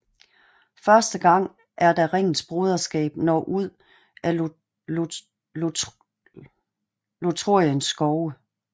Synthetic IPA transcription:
fɶɐsd̥əɡ̥ɑ̈ŋ̰ | ʔæɐd̥æʁeŋ̰n̩sb̥ʁoð̞ˠɐsɡ̥ɛ̰ːb̥nɒ̰ːʔuð̰ˠ | ʔæ | lot͡sʰʁo̝ɐ̰jənsːɡ̥ɒʊə

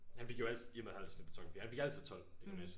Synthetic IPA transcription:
hænfe̝ɡ̥joæl̰t͡sʰˠjemðˠhæ̰lʰse̥b̥t͡sʰɒ̽ŋ̰fd̥ḭːhænfe̝ɡ̥æl̰t͡sʰiðˠt͡sʰɒ̽l̰e̥mes

